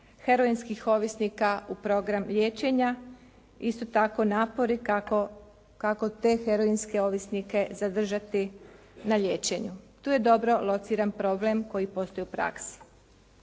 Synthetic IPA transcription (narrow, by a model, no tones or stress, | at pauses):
he̞ɾo̞inskixo̞ʋisnikaupɾo̞ɡɾamʎe̞ːt͡ɕe̞ɲa | ist̪o̞t̪ako̞naːpo̞ɾi | kako̞t̪e̞xeɾoinske̞o̞ʋisnike̞zad̪r̩ʒat̪i | naʎeːt͡ɕe̞ɲut̪uːje̞d̪o̞bɾo̞lˠo̞t̪siɾanpɾo̞ble̞mko̞jipo̞st̪o̞juupɾa̰ksi̥